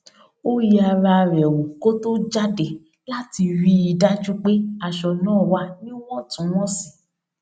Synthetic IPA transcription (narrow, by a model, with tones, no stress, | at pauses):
o˦ji˦a˧ɾa˧ɾɛ˨wu˨ko˦to˦d͡ʒa˦de˨ | la˦ti˧ɾi˦i˧da˦d͡ʒu˦k͡pe˦a˧˨ʃɔ˧nãː˦˨wa˨˦nĩ˦w̃ɔ̃˦tũ˨˦w̃ɔ̃˦si̥˨